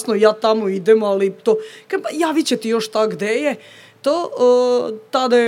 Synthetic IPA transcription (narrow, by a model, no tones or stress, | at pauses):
snojaːt̪amoid̪emoalit̪okapajaʋit͡ɕet̪ijoʃt̪aɡd̪eje | t̪o | t̪ad̪a